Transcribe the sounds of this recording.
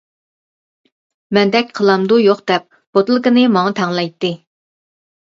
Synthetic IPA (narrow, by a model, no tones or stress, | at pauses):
mɛnd̪ɛkʲqʰəlˠɑmd̪ujoqd̪ɛp̚ | b̥ot̪ɨlˠɨkənɨmɑŋɑt̪ʰɛŋlˠɛjt̪ːɨ